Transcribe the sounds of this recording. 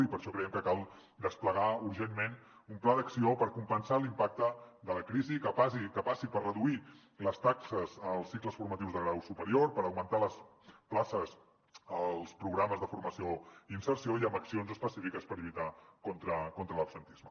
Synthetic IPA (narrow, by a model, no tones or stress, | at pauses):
ipəɾʃɔkɾəjɛmkəkalˠ | d̪əspləɣauɾʒenːen | umplaðəksiopəɾkumpənsalimpak̚t̪əd̪ələkɾizikəpasikəpasipərrəðui | ləst̪aksəzəlˠsːikləsfuɾmət̪iwzðəɣɾawsupəɾioɾpəɾəwmənt̪aləs | plasəz | əlˠspɾuɣɾaməzðəfuɾməsioiinsəɾsiojəmbəksionzəspəsifikəspəɾiβit̪akɔnt̪ɾəkont̪ɾələpsənt̪izmə